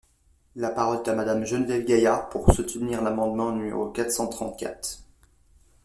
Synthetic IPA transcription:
lapaʁɔlɛt̪amad̪amʒənvɛlɡʲajapuʁsut̪niʁlamɑ̃d̪mɑ̃nymḛʁokat̪sɑ̃t̪χɑ̃t̪̚kʲa̰t̪χ

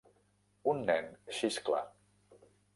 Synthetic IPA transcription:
unːɛnʃiskla̰

